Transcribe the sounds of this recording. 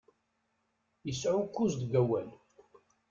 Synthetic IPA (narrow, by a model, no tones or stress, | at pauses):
jəsʕʊkːuzd̪ɡæwæn